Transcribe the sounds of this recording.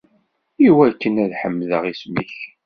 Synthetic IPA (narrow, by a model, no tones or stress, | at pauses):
iwækːənæðħəmːðəʁismiç